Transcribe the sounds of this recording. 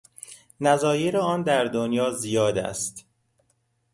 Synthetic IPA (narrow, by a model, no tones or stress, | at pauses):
næzɒːjeɾeɒːnd̪æɾd̪onjɒːzijɒːd̪æ̰st̪